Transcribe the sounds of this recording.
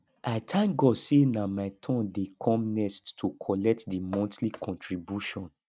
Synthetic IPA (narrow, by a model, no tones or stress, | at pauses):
aɪtʰãŋɡɔdsenamaɪtʰɔ̃ndekʰɔ̃mnɛsttʰːukʰɔlɛk̚tdimɔ̃ntlikʰɔ̃ntʰɹibjuʃɔ̃n